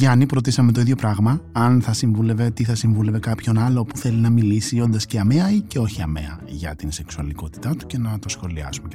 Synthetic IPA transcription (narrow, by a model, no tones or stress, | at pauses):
ʝɐnipɾo̞t̪isɐmet̪oiðʝo̞pɾɐɣmɐɐnθɐsiɱvule̞ve̞t̪iθɐsiɱvule̞ve̞kɐpço̞nɐlo̞puθe̞linɐmilisio̞nd̪ɐsceɐme̞ɐice̞o̞çiɐ̰me̞̰ɐ̰ʝɐ̰t̪inse̞ksuɐliko̞t̪i̥t̪ɐt̪u̥ce̞nɐt̪o̞sxo̞liɐ̰sumec